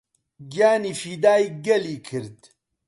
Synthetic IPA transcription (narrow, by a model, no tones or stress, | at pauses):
ɡjaːniːfiːd̪aːjɡɐliːkʰɨɾd̪